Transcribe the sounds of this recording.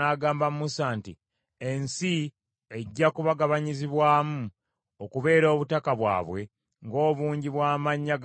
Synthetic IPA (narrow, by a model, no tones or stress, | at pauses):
aːɡaːmbamumusaːntḭ | ensi | eɟːakuβaɡaβaɲiziβwaːmu | okuβe̞ːɾo̞ːβutakaβwa̰ːβwe̞ | ŋɡo̞ːβuːɲɟiβwaːmaɲːaɡ